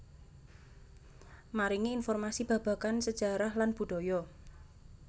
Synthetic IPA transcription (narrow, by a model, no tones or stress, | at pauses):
maɾiŋiːnfɔrmasib̥ä̤b̥ä̤kansəd̥ʒ̥ä̤ɾahlanb̥ṳɖ̥o̤jɔ